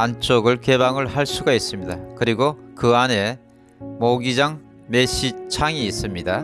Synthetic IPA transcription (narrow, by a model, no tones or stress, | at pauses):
ant͡ɕʰoɡɯɭke̞baŋɯɭhaɭs͈uɡais͈ɯmɲidakɯɾiɡokɯane̞ | moɡid͡ʑaŋ | me̞ɕ͈it͡ɕʰaŋiːs͈ɯmɲida